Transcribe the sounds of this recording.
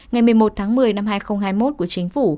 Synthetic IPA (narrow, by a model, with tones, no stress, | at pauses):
ŋa˨˩jmɨ˨˩əjmo˨˩t̚t̪ʰaː˨˦ŋmɨ˨˩əjna˧mɦaː˧jxə˧wŋ͡mhaː˧jmo˦˥t̚ku˧˩ət͡ɕï˨˦ŋ̟fu˧˩